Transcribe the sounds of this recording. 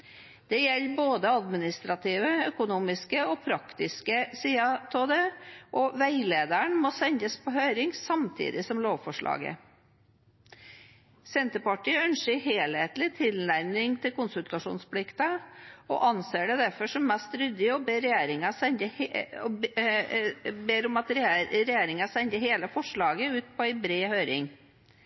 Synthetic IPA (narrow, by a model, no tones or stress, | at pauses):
d̪̥ɛjɛlːboːd̪əɑd̪mɪnɪst̪ɾɑt̪ʰiːʋəœkʊnuːmɪskəɔpʰɾɑkt̪ɪskəsiːɑt̪ʰoːd̪eʔɔʋæɪleːd̪æɳmɔsɛɲd̪əspʰɔhøːɾɪŋsɑmt̪ʰḭːd̪ɪsɔmloːʋfɔʂɭʔɑ̰ːɡə̰ | sɛnt̪əpɑʈiːəœnʃəɾɦeːlhet̪lɪt̪ʰɪlnæɾmɪŋt̪ʰɪlkʊnsʉlt̪ɑʂṵːnspʰlɪkt̪ɑɔ̰ʔɑnseːɖɛd̪æɾfɔʂɔmːɛst̪ɾʏd̪ɪɔbeːɾɛjeːɾɪŋɑsɛnd̪əh | beːɾɔmɑt̪ɾɾɛjeːɾɪŋɑsɛɲd̪əɦeːləfɔʂɭɑːɡəʉːt̪̚pʰɔæɪbɾeːhøːɾɪ̰ŋ